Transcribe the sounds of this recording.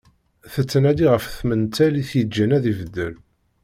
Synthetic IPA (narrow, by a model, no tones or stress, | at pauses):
θət͡sːənæd̪iʁəfθmənt̪æliθjəd͡ʒːənæðivəd̪ːə̰l